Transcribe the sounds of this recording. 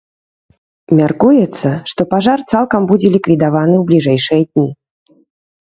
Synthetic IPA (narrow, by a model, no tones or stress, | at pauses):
mʲarkujɛt̪sːɐʂt̪ɔpaʐart̪salˠkɐmbud͡zʲɛlʲikvʲid̪avanɨwblʲiʐɛjʂɨjɐd̪ʲnʲi